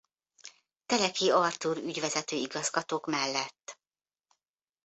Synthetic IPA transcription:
t̪ɛlɛkiɒrt̪uɾyɟʋɛzɛt̪øːiɡɒzɡɒt̪oːkmɛlːɛt̪ː

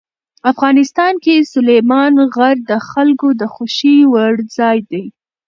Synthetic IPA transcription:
afɣɑnɪst̪ɑnkesʊlejmɑnɣaɾd̪əxalkod̪əxʊʃiwaɽzɑjd̪aj

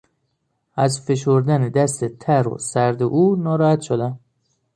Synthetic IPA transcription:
æzfeʃoɾd̪æned̪æst̪et̪ʰæɾo̰sæɾd̪eʔuːnɒːɾɒːhæt̪ʃod̪æm

